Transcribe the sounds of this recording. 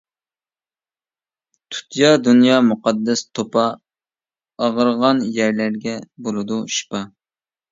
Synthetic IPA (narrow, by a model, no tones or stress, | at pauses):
t̪ʰu̥t̪jɑd̪unjɑːmuqɑd̪ːɛst̪ʰopɑ | ɑʁəɾʁɑnjæɾlæɾɡʲɛbolˠɨd̪uʃi̥pɑ